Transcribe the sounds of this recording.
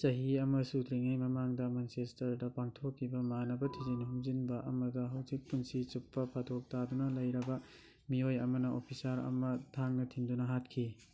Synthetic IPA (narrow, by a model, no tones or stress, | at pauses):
t͡ʃɐɦiɐmɐsud̪ɾiŋajmɐmaŋdɐmansestɐɾdɐpaŋtʰokʰːibɐmanɐbɐtʰizinɐɦuŋzinbɐʔɐmɐdɐɦɐwzik̚punsit͡ʃupːɐpʰatʰok̚tadunɐlɐjɾɐbɐ | miojɐmɐnɐʔopʰisaɾɐ̰mɐtʰaŋnɐtʰiŋdunɐɦat̚kʰi